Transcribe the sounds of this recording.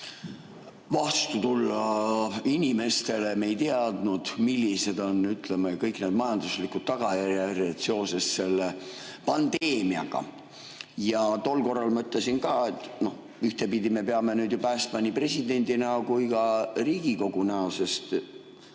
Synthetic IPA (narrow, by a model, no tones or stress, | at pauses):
vɑst̪ut̪ulːɑinʲime̞st̪e̞le̞mejt̪eɑd̪̥nud̪̥milʲːise̞d̪̥o̞nyt̪le̞mɑkɤjkne̞ːd̪mɑjɑnd̪̥uslikːˑud̪̥̚t̪ɑɡ̥ɑjærjærjɑd̪̥se̞o̞se̞sse̞lːepɑnd̪̥e̞ːmiɑ̰ɡ̥ɑ̰ | jɑt̪o̞lːko̞rːɑlmɤøt̪ˑle̞sinkɑːe̞t̪ːˑno̞h | yht̪e̞pid̪ime̞pe̞ɑme̞nyːd̪jupæːst̪mɑnipre̞sid̪̥e̞nʲd̪inɑkujkɑriːɡ̥iko̞ɡ̥unæose̞st̪